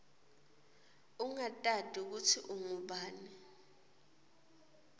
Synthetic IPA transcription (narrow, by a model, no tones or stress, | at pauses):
uŋatʼad̥ʱik̬utʰiʔuŋuɓaːni